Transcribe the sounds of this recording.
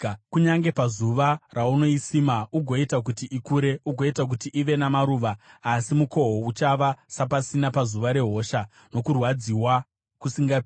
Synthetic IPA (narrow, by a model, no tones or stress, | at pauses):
kuɲaŋɡe̞pazuʋarauno̞isimauɡʱo̞itak̬utiʔikuːɾe̞ʔuɡʱo̞itak̬utiʔiʋe̞namaɾuːʋaːsimuko̞ɦout͡ʃaʋasapasinapazuʋaɾe̞ɦo̞ːʃa | no̞kurwad͡ziwa | kusiŋɡap